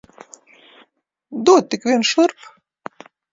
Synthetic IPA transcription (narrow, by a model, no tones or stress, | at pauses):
d̪uɔt̪̚t̪ːikʋʲiɛnʃɨrp